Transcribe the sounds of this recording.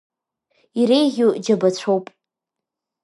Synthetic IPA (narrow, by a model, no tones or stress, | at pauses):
iɾejʁʲud͡ʒabat͡ɕʷʰowpʼ